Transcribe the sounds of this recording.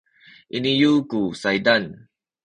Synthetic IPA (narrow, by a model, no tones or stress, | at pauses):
ʔinijukusajdan